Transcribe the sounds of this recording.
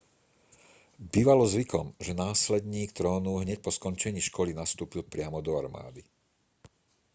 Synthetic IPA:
biːʋalɔzʋikʰɔmʒɛnaːslɛd̪ɲiːkt̪ɾɔːnuɦɲɛc̚pɔskɔnt͡ʃɛɲiːʃkɔlinast̪uːpilpɾɪamɔd̪ɔaɾma̰ːd̪i

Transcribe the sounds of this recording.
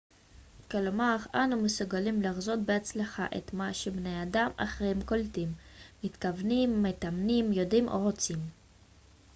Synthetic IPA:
kelomaʁanumesuɡalimlaχzo̞t̪̚beat͡slaχaʔet̪maʃebnejadama̰χʁejhemkoltimːit̪kavnimːet̪amnimjo̞dimʔo̞̰ʁo̞t͡sim

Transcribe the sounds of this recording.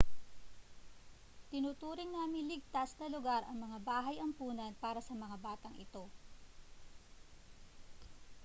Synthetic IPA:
t̪ɪnut̪uːɾɪŋnaːmɪnlɪɡ̚t̪asnɐlʊɡaɾʔɐŋmɐŋabaːɦɐjʔɐmpuːnɐnpaːɾɐsɐmɐŋabaːt̪ɐŋʔɪ̰t̪o̞

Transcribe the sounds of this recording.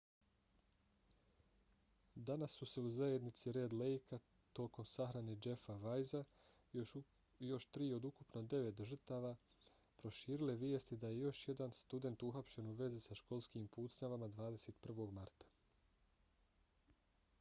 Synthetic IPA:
d̪anasːuse̞uzajed̪nit̪siɾe̞ːd̪lejka | t̪o̞ːko̞msaxɾaned͡ʒe̞faʋajza | jo̞ʃt̪ɾiːo̞d̪ukupnod̪e̞ʋe̞t̪ʒər̩t̪aʋa | pɾo̞ʃiːɾileʋjest̪id̪aje̞jo̞ʃje̞d̪anst̪ud̪e̞nt̪uxapʃe̞nuʋe̞zisaʃko̞lˠskimpuːt̪sɲaʋamad̪ʋaːd̪e̞se̞ːt̪pr̩ʋo̞ɡmaɾt̪ḁ

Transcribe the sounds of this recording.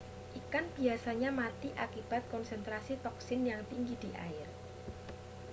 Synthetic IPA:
ʔikanb̥iasaɲamat̪iʔakib̥a̤t̪̚kɔnsɛnt̪ɾasit̪ɔksɪnjaŋp̪iŋɡid̪̥i̤ʔa̰ɪr

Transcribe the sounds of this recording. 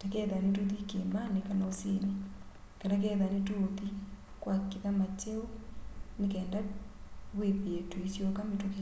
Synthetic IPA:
takɛːðanetoðikemanekanaosine | kanak̬ɛːðanetoði | kwakiðamat͡ʃeonekɛːnda | ɣwepeetuisjokametoke

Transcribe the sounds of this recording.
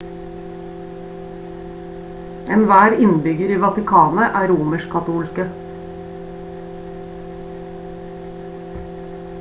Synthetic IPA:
ʔɛːnʋæːɾɪnbʏɡəɾiːʋɑt̪ɪkʰɑːnəʔæːɾuːməʃkʰɑt̪uːlskə

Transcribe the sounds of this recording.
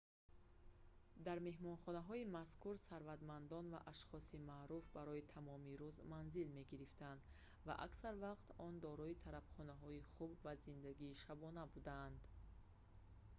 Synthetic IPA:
d̪aɾme̞ɦmɔnχɔnaɦɔimaskʰuɾsaɾvad̪mand̪ɔnva̰ʔaʃχɔsimaɾufbaɾɔit̪ʰamɔmiɾuzmanzilme̞ɡiɾift̪and̪ | va̰ʔa̰ksaɾvaqt̪ɔnd̪ɔɾɔit̪ʰaɾabχɔnaɦɔiχubvazind̪aɡiːʃabɔnabud̪aːnd̪

